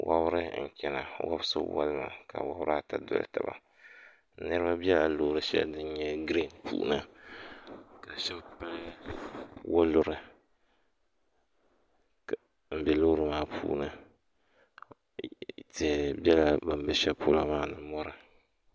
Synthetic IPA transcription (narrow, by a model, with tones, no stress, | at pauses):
wa̰˦bɾɨ˦n̩˨kʲɛ˨na˨wa̰˦bso̰˦wa̰˦lɨ˦ma̰˨ka̰˨wa˦bɾa˦ta˨dʊ̰˨lɨ̰˨ta̰˨ba̰˨ | nɨ˦ɾɨ˦ba˦bi˦ɛ˦la˨loː˦˨˦ɾɨ˦ʃɛ̰˦dɨ˦n˦ɲɛ˦ɡɾi˦˨npṵː˨nɨ˦ | ka˨ʃɛ˦bpa˦ | wʊ˦lʊ˨ɾɨ˨ | m̩˨bɛ˨lo˦ɾɨ˨maː˦pʰṵː˦nɨ˦˨ | ti˨bi˦ɛ˦la˦ba˨m˦bɛ˦ʃɛ˦po̰˦la˦maː˦˨nɨ˨mɔ˦ɾɨ˨